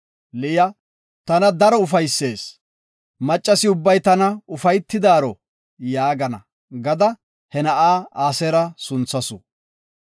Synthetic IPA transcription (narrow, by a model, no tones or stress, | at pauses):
lɪjɐ | t̪ɐnɐd̪ɐɾɔʊfɐjsːe̞ːs | mɐt͡ʃʼːɐsɪʊbːɐjt̪ɐnɐʊfɐjt̪ːɪd̪aːɾɔ | jaːɡɐnɐ̰ | ɡɐd̪ɐ | hɛnɐʔaːaːsɛɾɐsʊnt͡sːɐsʊ̰